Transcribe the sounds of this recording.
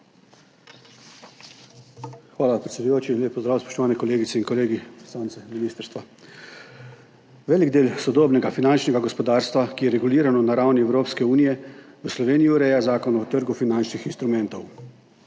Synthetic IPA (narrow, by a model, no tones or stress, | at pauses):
xʋaːlapɾɛt̪sed̪ujoːt͡ʃiːnlʲeːpːɔzd̪ɾaːwspɔ̥ʃt̪ɔʋaːnɛkɔleːɡit̪sɛinkɔleːɡisaːnt̪sɛminiːst̪əɾst̪ʋa | ʋɛːliɡd̪eːlsɔd̪oːbnɛɡafinant͡ʃnɛɡaɡɔspɔd̪aːɾst̪ʋakijɛɾɛɡuliːɾanɔnaɾawniɛwɾoːpskɛuːnijɛ | ʋəslɔʋeːnijuɾɛjazaːkɔnɔt̪əɾɡufinant͡ʃnixinst̪ɾumɛnt̪ɔw